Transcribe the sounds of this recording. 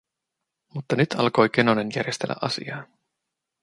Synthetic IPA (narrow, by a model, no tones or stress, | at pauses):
mut̪ːɑnyt̪ʰɑlko̞jke̞no̞ne̞njærjest̪e̞lːæ̰ʔɑsḭɑː